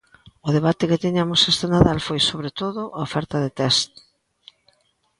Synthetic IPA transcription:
ʊðeβat̪ɪkɪt̪iɲamʊsest̪enaðalfojsoβɾet̪oðʊʔaofɛɾt̪ɐðet̪ɛst̪

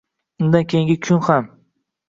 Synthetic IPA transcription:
ʊnd̪ankʲʰe̞jɪŋɡʲɪkʲʰʊnham

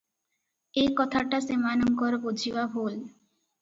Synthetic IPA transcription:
ejkɔt̪ʰaʈasemanɔŋkɔɾbod͡ʑʱibabʱol

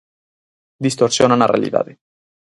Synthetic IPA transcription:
d̪ist̪oɾsjonanarḛa̰lḭða̰ðe

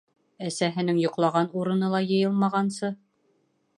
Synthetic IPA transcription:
æsæɦɘ̆nɘŋjŏqlˠɑʁɑnuɾɤ̆nɤlˠɑjɤ̆jɤlˠmɑʁɑnsɤ

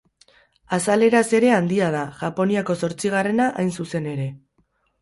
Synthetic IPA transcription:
asale̞ɾase̞ɾe̞and̪iað̞aʝapo̞niako̞so̞ɾt͡siɣ̞are̞naʔajnsuse̞ne̞ɾe̞

